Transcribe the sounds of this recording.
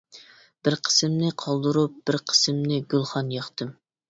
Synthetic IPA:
b̥ɪɾqʰə̥sɪmnɪqʰɑlˠd̪ɨɾup̚b̥ɪɾqʰə̥sɪmnɪɡʲylˠχɑnjɑχt̪ʰɨm

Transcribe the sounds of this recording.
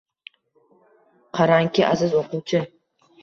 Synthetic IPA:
qʰɑɾaŋkʲʰɪʔazɪzoqʊwt͡ʃʰɪ

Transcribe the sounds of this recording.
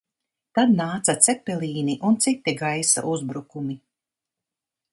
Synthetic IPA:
t̪ad̪naːt̪sat̪sɛpːeliːniʔunt̪sit̪ːiɡajsa̰ʔuzbɾukumi

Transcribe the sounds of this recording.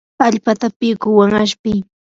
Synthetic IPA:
paʎpat̪apɪkʊwaŋaʃpɪj

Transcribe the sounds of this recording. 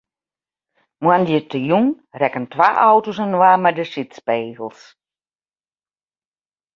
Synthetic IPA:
mwandjətʰəjuŋ | rɛkəntwaːʔɔwtosənwaːmɛdəsitspeːɣəlˠs

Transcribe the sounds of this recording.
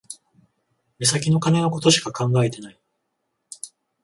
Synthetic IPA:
mes̬akʲino̞kane̞no̞ko̞t̪o̞ɕi̥kakãŋɡae̞t̪e̞nai

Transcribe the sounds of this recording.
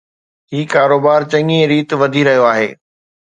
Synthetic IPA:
ɦiːkaːɾoːbaːɾt͡ɕɐ̃ŋieɾiːt̪ʋɐd̪ʱiɾɐɦijoaːɦḛː

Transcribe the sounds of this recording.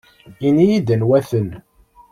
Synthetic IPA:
inijid̪ənwæθən

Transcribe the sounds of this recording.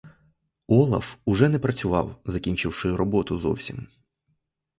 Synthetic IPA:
ɔlˠɐ̰fʊʐɛnɛpɾɐt͡sʲʊʋɑ̰wzɐkʲinʲt͡ʃɪwʂɪɾɔbɔt̪ʊzɔ̰wsʲim

